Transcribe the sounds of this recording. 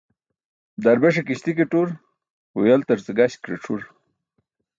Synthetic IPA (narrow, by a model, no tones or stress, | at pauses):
d̪aɾbeʂekiɕt̪ikeʈuɾ | ujalt̪ɐɾt͡səɡaɕkɾeʈ͡ʂʰuɾ